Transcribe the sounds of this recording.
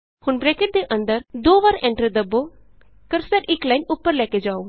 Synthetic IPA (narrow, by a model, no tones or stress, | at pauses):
hʊnbɾeːkeʈ̚d̪eʔə̃nd̪əɾd̪oːʋaːɾɛ̃ːɳʈɾəd̪əbːo | kəɾsəɾɪklaːɪnʊpːəɾlɛːked͡ʒaːoː